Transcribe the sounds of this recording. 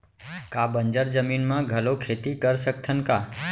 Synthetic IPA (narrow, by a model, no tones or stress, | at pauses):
kabənd͡ʒəɾd͡ʒəminmãɡʱəlokʰet̪ikəɾsək̚t̪ʰənka